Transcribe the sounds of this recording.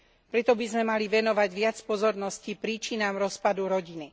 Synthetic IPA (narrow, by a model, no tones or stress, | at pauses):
pɾɛt̪ɔbizmɛmaliʋɛnɔʋaɟʋɪat͡spɔzɔɾnɔscipɾiːt͡ʃinaːmɾɔspad̪uɾɔɟini